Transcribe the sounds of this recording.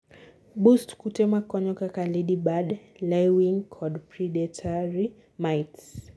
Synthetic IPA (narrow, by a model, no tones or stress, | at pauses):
ɓustkutɛmakɔɲɔkakaliɗiɓad | lɛwiŋkʰɔdpɾiɗɛtʰaɾi | majts